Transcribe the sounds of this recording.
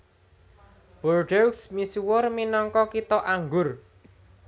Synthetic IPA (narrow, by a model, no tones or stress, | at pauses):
b̥ɔrɖɛwksmisuwʊrminɔŋkɔkit̪ɔʔaŋɡʊr